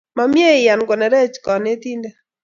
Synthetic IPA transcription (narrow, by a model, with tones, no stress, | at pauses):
ma˨mje˦˨ja˨nɡɔ˨nɛ˨ɾɛ˦t͡ʃkɔ˨ne˦t̪i˦nde˦